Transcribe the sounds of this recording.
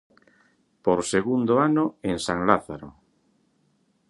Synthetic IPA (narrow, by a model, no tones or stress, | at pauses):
poɾseɣund̪oanoeŋsaŋlaθaɾo̰